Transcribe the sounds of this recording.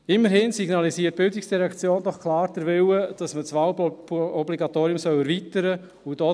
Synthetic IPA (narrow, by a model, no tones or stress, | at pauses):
ɪmːəɾhɪnsiɡnɑlisiət̚b̥ɪldiksd̥iɾɛkt͡sjoːndɔχkʰlaːɾdɛɾvɪwəd̥ɑsmət͡sʋawɔbliɡɑtoːɾiʊmsœwɛɾvitəɾə | ud̥ɔ